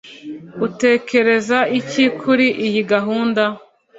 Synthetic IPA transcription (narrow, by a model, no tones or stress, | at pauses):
ute̞ːkʰe̞ɾe̞zaicikʰuɾiʔijiɡaɦuːnda